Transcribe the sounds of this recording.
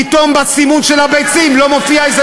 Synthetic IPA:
it̪o̞mbat͡simunʃelhabejt͡simlo̞mofiaeze

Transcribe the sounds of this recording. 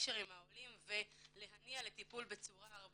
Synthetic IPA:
ʃeʁimhaolimvele̞ɦaniale̞t̪ipulbe̞t͡suʁaaʁb

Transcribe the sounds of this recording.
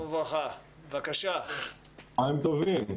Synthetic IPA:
vaχa | vakaʃa | aimt̪ovim

